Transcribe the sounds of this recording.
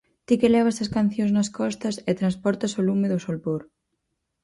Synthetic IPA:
t̪ikelɛβ̞ɐsɐskan̟θjoŋznɐskɔst̪ɐset̪ɾanspɔɾt̪ɐsolumeðʊsolpoɾ

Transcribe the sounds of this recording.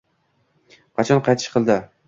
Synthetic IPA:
qʰɑt͡ʃʰɒnqʰɑjt̪ʰɪ̥ʃqʰɨlˠd̪ɪ

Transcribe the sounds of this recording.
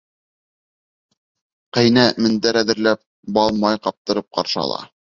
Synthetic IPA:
qæjnæmɘ̆nd̪æɾæðɘ̆ɾlæp̚ | bɑlˠmɑjqɑp̚t̪ɤ̆ɾɤp̚qɑ̰ɾʃɤ̰ɑ̰lˠɑ̰

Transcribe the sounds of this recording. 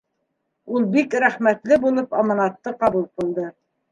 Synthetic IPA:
ulˠbikɾæχmæt̪lɘbulˠɤpɑmɑnɑt̪ːɤqɑβulˠqɤ̆lˠd̪ɤ

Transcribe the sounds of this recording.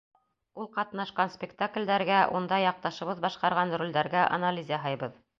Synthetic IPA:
ulˠqɑt̪nɑʃqɑnsʲpʲɪkt̪aklʲd̪æɾɡæʔund̪ɑjɑq̚t̪ɑʃɤ̆βɤðbɑʃqɑɾʁɑnrulʲd̪æɾɡæʔa̰nalʲizʲjɑɦɑjbɤð

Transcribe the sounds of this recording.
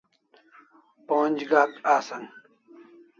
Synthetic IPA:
pond͡ʑɡaːkaːsɐŋ

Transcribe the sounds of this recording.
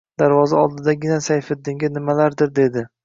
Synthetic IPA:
d̪̥aɾvɒzaɒlˠd̪ɪd̪aɡʲɪnasajfɪd̪ːɪŋɡʲɪnɪmalaɾd̪ɪɾd̪e̞d̪ɪ

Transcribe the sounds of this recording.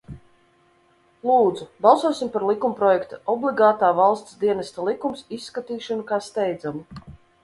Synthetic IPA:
lˠuːd̪zubɑlˠsuɔsʲimpaɾlˠikumpɾɔjɛkt̪aɔblˠiɡaːt̪aːvalˠst̪sd̪iɛnɛst̪alˠikumsisːkat̪iːʃanukaːst̪ɛjd̪zamu

